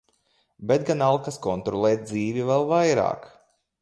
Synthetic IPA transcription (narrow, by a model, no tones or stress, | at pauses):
bet̪̚ɡanalˠkaskɔnt̪ɾɔlˠɛːt̪̚d̪ziːvivɛlˠvajɾa̰ːk